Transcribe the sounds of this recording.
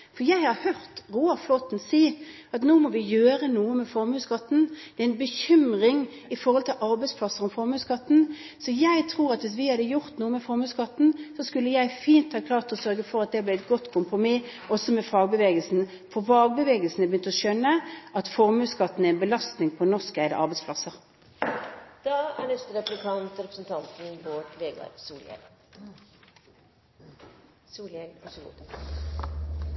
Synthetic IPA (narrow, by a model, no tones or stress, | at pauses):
fɔɾjæɪhɑɾhœʁt̪ʁuːɑflɔt̪n̩siː | ɑt̪nuːmɔʋɪjøːɾənuːəmɛfɔɾmʉːskɑt̪ːn̩d̪̥ɛæɪnbəçʏmʁɪŋ | ɪfɔʁhɔlt̪ʰɪlʔɑɾbæɪtspʰlɑsːəʁɔmfɔɾmʉːskɑt̪ːn̩ | sɔjæɪt̪ʰɾuːɾɑt̪ʋɪs̬ʋɪhɑd̪əjʊʁt̪nuːəmɛfɔɾmʉːskɑt̪ːn̩sɔskʉlːəjæɪfiːnt̪hɑːkʰlɑːʁt̪ɔsœɾɡəfɔɾɑt̪̚d̪ɛblɪɛt̪̚ɡɔt̪ːkʰʊmpɾʊmɪʔɔsɔmɛfɑːɡbəʋeːɡəlsn̩ | fɔʁfɑːɡ̚bəʋeːɡəlsn̩əbəjʏnt̪ɔʃœnːəʔɑt̪fɔʁmʉːskɑt̪ːn̩ɛæɛnbəlɑst̪nɪŋpʰɔnɔʁskæɪd̪ə̰ʔɑʁbɛɪspʰlɑsəʁ | d̪̥ɑːæ̰ɳɛst̪əɾɛplɪk̪ʰɑnt̪ɾɛpɾəsn̩t̪ʰɑnt̪n̩boːʈʋeːɡɑ̰ɾsuːlɛ̰l | suːlɛlɑsɡṵ